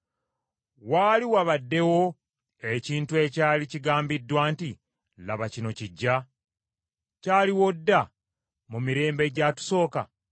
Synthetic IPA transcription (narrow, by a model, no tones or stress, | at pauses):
waːliwaβadːe̞wo̞ | e̞ciːntue̞caːliciɡaːmbidːwaːnti | laβacino̞ciɟːa | caːliwo̞dːa | mumiɾe̞ːmbe̞ɟatu̥so̞ːka̰